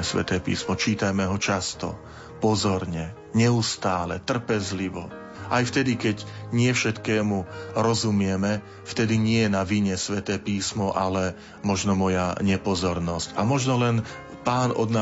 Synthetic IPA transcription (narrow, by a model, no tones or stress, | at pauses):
ɛsʋɛ̰t̪ɛːpḭːsmɔt͡ʃiːt̪ajmɛɦɔt͡ʃast̪ɔ̰ | pɔzɔɾɲɛ | ɲɛust̪aːlɛt̪r̩pɛzliʋɔ̰ | ajft̪ɛd̪ikɛɟɲɪɛfʃɛt̪kɛːmuɾɔzumɪɛmɛ | ft̪ɛd̪iɲɪɛjɛnaʋiɲɛsʋɛt̪ɛːpiːsmɔʔalɛ | mɔʒnɔmɔjaɲɛpɔzɔɾnɔscamɔʒnɔlɛn | paːnɔ̰d̪na